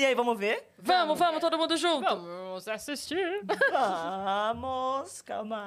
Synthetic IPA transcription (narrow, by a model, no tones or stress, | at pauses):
iaivɐ̃mʊveɾ | vɐ̃mʊvɐ̃mʊst̪od̪ʊmũd̪ʊʒũɐ̃mvɐ̃mʊzasist͡ʃiɾvɐmʊskama